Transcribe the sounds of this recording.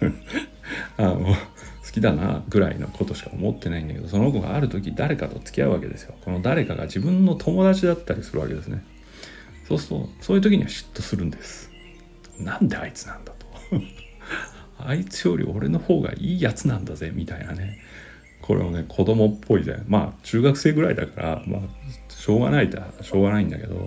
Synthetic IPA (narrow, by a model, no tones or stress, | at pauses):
ano | sɨ̥kʲid̪ana̰ɡɯ̟ɾaino̞kʰo̞t̪o̞ɕi̥kao̞̰mo̞t̪ːe̞naĩnd̪ake̞d̪o̞so̞nokoɡa̰ːɾɯ̟t̪o̞kʲid̪aɾe̞kat̪o̞t͡sɨ̥kʲia̰ɯ̟βake̞d̪e̞sɨjo̞ko̞no̞d̪aɾe̞kaɡa̰ʑibɯ̟̃nːo̞t̪ʰo̞mo̞d̪at͡ɕid̪at̪ːaɾʲisɨɾɯ̟βake̞d̪e̞sɨne | so̞ːsɨ̥t̪o̞̰so̞ːjiɯ̟t̪okʲiɲ̟iβaɕi̥t̪ːo̞sɨɾɯ̟̃nd̪e̞sɨ̥ | nãnt̪e̞ait͡sɨ̥nãnd̪ḁt̪o̥ | ait͡sɨjo̞ɾʲḭʔo̞ɾe̞no̞ho̞ːɡa̰ʔiːjat͡sɨnãnd̪azemʲit̪ainane̞ | kʰo̞ɾḛβonekʰo̞d̪o̞mo̞pʰːo̞id̪ḛma̰ːt͡ɕɨːɡakɯ̟̥se̞ːɡɯ̟ɾaid̪akaɾa̰ma̰ɕo̞ːɡa̰nait̪aɕo̞ːɡanaĩnd̪ake̞d̪o̰